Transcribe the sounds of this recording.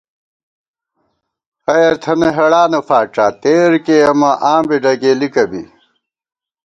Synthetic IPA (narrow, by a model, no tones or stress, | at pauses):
ɐjɐɾt̪ʰɐneɦɐɽaːnɐfaːʈ͡ʂaːt̪eːɾkeɐmɐʔaːmbiɖɐɡeːlikɐbḭ